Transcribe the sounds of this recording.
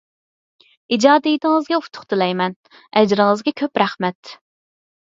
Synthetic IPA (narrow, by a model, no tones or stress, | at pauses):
id͡ʒɑːd̪ijit̪ʰɪŋɨzɡʲɛut̪ʰʊ̥χt̪ʰɨlɛjmɛn | ɛd͡ʒɾɪŋɨzɡʲɛkʲʰøpɾæχmɛt̪